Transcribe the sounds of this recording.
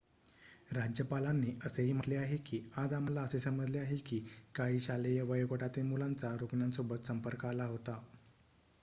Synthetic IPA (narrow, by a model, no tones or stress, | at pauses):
ɾad͡ʑjəpalanːiːəseɦiːm̤əʈleaɦekiːad͡zam̤alaəsesəməd͡zleaɦekiːkaɦiːɕalejaʋəjkoʈat̪iːlmulant͡saɾukɳjansobət̪səmpəɾkalaɦot̪a